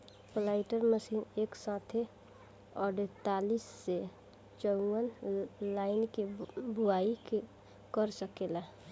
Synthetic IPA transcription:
plaɪʈəɾməsiːneːksãːt̪ʰe | ɔːɾɖet̪aːlisːe | t͡ʃəwənlaːɪnkibʊaːik | kəɾsəkela

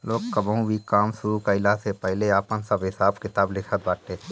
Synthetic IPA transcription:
loːɡkəbəũbʱikaːmsʊɾukəɪlasepɛɦleaːpənsəbɦɪsaːbkɪt̪aːblɪkʰət̪̚baːʈ̪eː

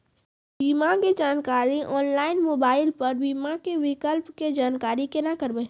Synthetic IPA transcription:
biːmaked͡ʒaːnkaːɾiʔɔːnlaːɪnmoːbaːɪlpɐɾbiːmakeʋɪkəlpked͡ʒaːnkaːɾikenakəɾbe

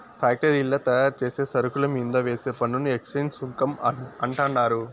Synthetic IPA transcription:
pʰaːk̚ʈɐɾilːɐt̪ɐjaːɾt͡ʃeːse̞ːsɐɾukulɐmind̪oːʋeːseːpɐnːunueksɐjnsuŋkɐmɐɳʈɐɳɖaːɾu

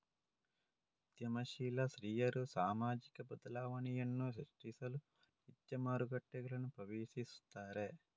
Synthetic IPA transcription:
ud̪jɐmɐʃiːlɐsɾiːjɐɾusaːmaːd͡ʒikɐbɐd̪ɐlaːʋɐnijɐnːusɐʂʈisɐlu | ʈid͡ʒjɐmaːɾuɡɐʈːɛɡɐlɐnupɐʋeːʃist̪aːɾeː

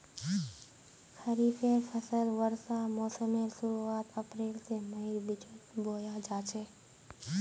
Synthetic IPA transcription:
xɐɾiːfefʰəsəlʋəɾsamɔːsəmeɾsʊɾuaːt̪ɐpɾeːlsemɐiɾbɪt͡ʃət̪boːjad͡ʒaːt͡ʃʰeː

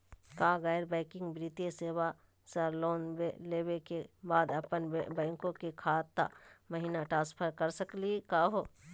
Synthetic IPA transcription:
kaːɡaːɪɾbɛːkɪ̃ŋɡbɾiːt̪eseːwa | səɾloːnbeleːwekebaːd̪ɐpənbɛ̃ːŋkõkekʰaːt̪ːa̰məɦinaʈɾãːspʰəɾkəɾsəklikaːɦoː

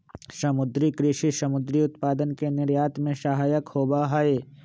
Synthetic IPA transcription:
sɐmʊd̪ɾikɾɪʃiʃɐmʊd̪ɾiʊt̪paːd̪ənkenɪɾjaːt̪mẽʃɐɦaːjəkhoːbaɦaeː

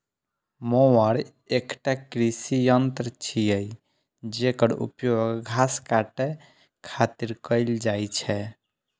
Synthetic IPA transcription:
mowəɾ | ekʈakɾisijənt̪ɾət͡ʃʰijəj | d͡ʒekəɾṵpjoɡɡʱaskaʈe | kʰat̪iɾkəɪld͡ʒajt͡ʃʰɛ

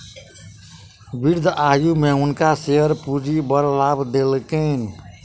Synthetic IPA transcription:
biɾd̪ʱajumeunkaseɦəɾpuɾibəɾlabd̪elkən

